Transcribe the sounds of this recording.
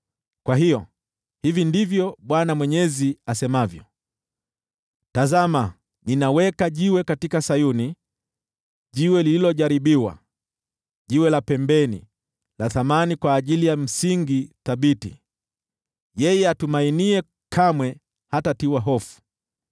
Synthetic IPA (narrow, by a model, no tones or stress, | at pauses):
kwaɦijɔ | hivindivjɔɓwanamwɛɲɛziasɛmavjɔ̰ | tazama | ninawɛkaʄiwɛkatikasajuni | ʄiwɛlililɔʄaɾiɓiwa̰ | ʄiwɛlapɛmbɛnḭ | laθamanikwaːʄilijam̩siŋɡiθaɓitḭ | jɛjɛatumainiɛ | kʰamwɛ | hatatiwaɦɔfu̥